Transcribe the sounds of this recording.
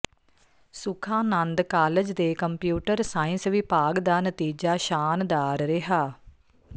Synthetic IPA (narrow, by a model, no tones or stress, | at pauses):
sʊkʰãːnənd̪kaːləd͡ʒd̪eːkəmpjuːʈəɾsaːɪ̃nsʋɪpaːɡd̪aːnət̪iːd͡ʒaːʃaːnd̪aːɾɾɪɦaː